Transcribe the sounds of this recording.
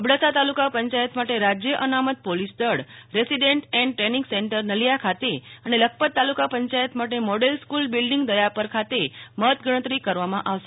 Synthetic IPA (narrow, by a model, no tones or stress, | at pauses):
əbɽasat̪alukapəɲt͡ʃajət̪maʈeɾad͡ʒjəʔənamət̪̚polisd̪əɽɾesiɖeɳʈɛ̃ɳɖʈɾenĩŋɡseɳʈəɾnəlijakʰat̪eənelək̚ʰpət̪ːalukapəɲt͡ʃajət̪maʈ̬emɔɽelskulbilɖiŋɡd̪əjapəɾkʰat̪emət̪ɡəɽ̃ə̃t̪ɾikəɾʋamãʔaʋʃe